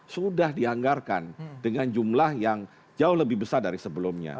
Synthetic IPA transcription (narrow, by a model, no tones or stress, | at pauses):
sudahdiaŋɡarka̰ndəŋand͡ʒumlahjaŋ | d͡ʒaʊhləbɪhbəsardaɾisəbəlumɲa̰